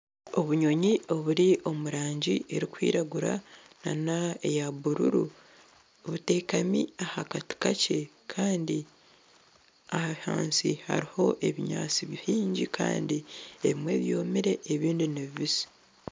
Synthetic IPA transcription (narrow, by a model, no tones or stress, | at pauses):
o̞βuɲo̞ɲio̞βuɾiʔo̞muɾaːɲɟiʔe̞ɾikwḭːɾaɡuɾa | na̰naejaβuɾṵɾṵ | βute̞ːkamiahakati̥kacʰe̞ | kʰaːndi | ahaβiha̰ːnsiha̰ɾiho̞ʔe̞βiɲa̰ːt͡siβihiːɲɟikʰa̰ːndieβimwe̞ːβjo̞ːmiɾe̞ʔːβiːndineβiβizi̥